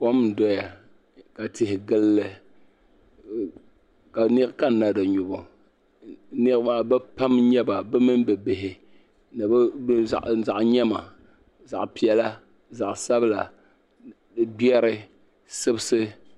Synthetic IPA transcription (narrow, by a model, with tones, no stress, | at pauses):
ko˦m˨dɔ˨ja˨ | ka˨tɪ˨hɪ˨ɡɨ˦lːɨ˨ | ka˨ni˦ɾka˦na˨dɨ˨ɲʊ˨bɔ˨ | ni˦ɾmaː˦bɨ˦pa˦mɲɛ˦ba˨bɛ˦mɨ˦n˦bɨ˨bɪ˨ɦɪ˨ | nɨ˨b̰ʔza˨ʔɲɛ˦ma˨ | za̰˨ʔpi˨ɛ˨la˦ | za˨ʔsa˦bɨ˦la˨ | dɨ˨bi˦ɛ˦ɾɨ˦ | sɨ˦bsɨ˦